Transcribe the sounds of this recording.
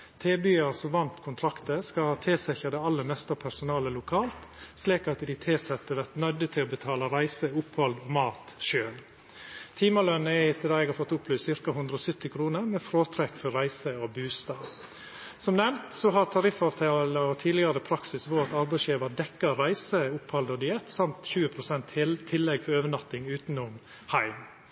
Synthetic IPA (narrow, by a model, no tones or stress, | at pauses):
t̪ʰeːbyːɑɾsɔʋɑnt̪kʰʊnt̪ʰɾɑkt̪əskɑlhɑːt̪ʰeːsɛçɑd̪ɛɑlːəmɛst̪ɑpʰæɾsʊnɑːləlʊkʰɑːlt̪sliːkɑt̪d̪ɪt̪ʰeːsɛt̪ːəʋæɾt̪nœd̪ət̪ʰɪlɔbət̪ʰɑːlɑɾæɪsəʊphɔld̪ɔmɑːt̪ʃøːl | t̪ʰiːməlœnəɛɪt̪ʰɪɑɛːɡhɑfɔt̪ːʊpʰːlʉːssɪɾkɑhʉnd̪ɾəɔsœt̪ːɪkʰɾuːnəɾmɛːfɾoːt̪ʰɾɛkfɔɾæɪsəɔbʉːst̪ɑːʋ | sɔmnɛmt̪sɔɦɑɾt̪ʰɑɾɪfɑʋt̪ʰɑːlɑɔt̪ʰiːlɪɡɑɾəpʰɾɑksɪsʋɔt̪ɑɾbæɪsjeːʋɑd̪ɛkːəɾæɪsəʊphɔld̪ɔd̪ʏɛt̪sɑmt̪çʉːəpʰɾʊsɛnt̪ʰːɪlːɛɡfɔɾøːʋənɑt̪ːɪŋʉːt̪nʊm | hæɪm